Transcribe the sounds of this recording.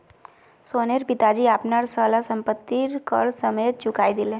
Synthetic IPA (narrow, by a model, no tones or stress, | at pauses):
soːneɾpɪt̪ad͡ʒiaːpnaɾsaːlasə̃mpət̪ːiɾkə̰ɾsəmet͡ʃʊkaːid̪ɪlẽ